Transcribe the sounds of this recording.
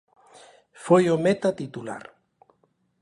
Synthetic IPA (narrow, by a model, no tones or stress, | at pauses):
fojomet̪at̪it̪ula̰ɾ